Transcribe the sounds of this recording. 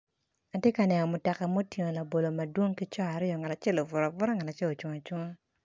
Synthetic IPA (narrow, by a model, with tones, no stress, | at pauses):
a˨tje˦ka˨nɛ˨ŋɔ˨mʊ˨tɛ˨ka˨mo˦tje˨ŋo˨la˨bo˨lo˨ma˨dwo˦ŋki˦t͡ʃɔ˦a˨ɾɪ˦jɔ˨ŋa˨la˨t͡ʃɛ˦lo˨vʊ˨ɾɔ˨vʊ˦ɾɔ˦ŋa˨la˨t͡ʃɛ˦lo˨t͡ʃo˨ŋo˨t͡ʃo˦ŋo˦